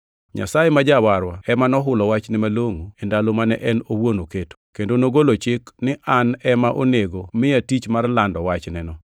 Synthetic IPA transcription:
ɲa̰sajemad͡ʒawaɾwaɛmanɔɦʊlɔwat͡ʃnɪmaloŋoendalomanɛʔɛnowonoketo̥kendonoɡolot͡ʃɪknɪʔanɛmaʔoneɡomɪjatit͡ʃmarlandɔwat͡ʃnɛnɔ

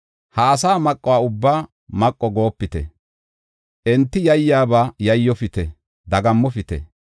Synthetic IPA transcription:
haːsaːmɐkʼːɔwaːʊbːaː | mɐkʼːɔɡo̞ːpːɪt̪ɛ̰ | ʔɛnt̪ːɪjɐjːaːbaːjɐjːɔfɪt̪ɛ | d̪ɐɡɐmːɔfɪt̪ɛ̰

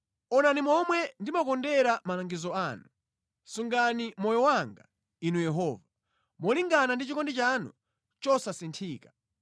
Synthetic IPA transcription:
ɔnanimɔmwɛndimakɔndɛɾamalaŋɡizɔaːnu | suŋɡanimɔjɔwaŋɡa̰ | inujɛɦɔːva | mɔliŋɡanandit͡ʃikɔndit͡ʃanṵ | t͡ʃɔsasintʰiːkḁ

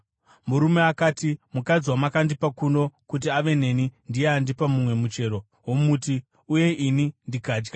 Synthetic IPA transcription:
muɾume̞akaːtimukad͡zwamakandipakuno̞kut̬iaʋe̞ne̞nindieandipamumwe̞mut͡ʃe̞ːɾo̞ | ɦwo̞muːti | uje̞ʔinindikaːd͡ʒɡa

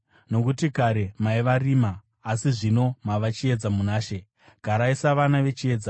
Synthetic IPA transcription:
no̞kutikaɾe̞maiʋariːmaː | siʐino̞maʋat͡ʃie̞d͡zamunaːʃe̞ | ɡ̥ʱaɾaisaʋanaʋe̞t͡ʃie̞ːd͡za

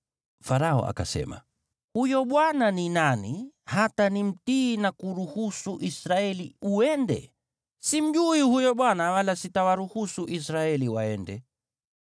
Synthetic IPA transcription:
faɾaɔ̰ʔa̰ka̰sɛ̰ma̰ | hujɔɓwananinanihatanim̩tiːnakuɾuhusuʔisɾaɛliuɛndɛ̰ | sim̩ʄuihujɔɓwanawalasitawaɾuhusuʔisɾaɛliwaɛndɛ

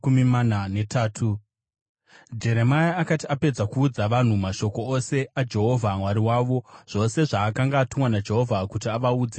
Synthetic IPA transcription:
umimananetʰaːtʰu | d͡ʒe̞ɾe̞majaːkatiape̞d͡zakuːd͡zaʋan̤umaʃo̞ko̞ose̞ad͡ʒe̞ɦo̞vʱamwaɾiwaːʋo̞ʐ̥o̞se̞ʐaːkaŋɡaːtumwanad͡ʒe̞ɦo̞vʱakutiaʋauːd͡ze

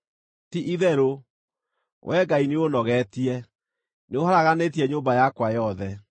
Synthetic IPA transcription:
tiʔiðɛɾo | wʔɛɡaineonɔɣɛtiɛ | neohaɾaɣanetiɛɲoːmbajakwajɔðɛ

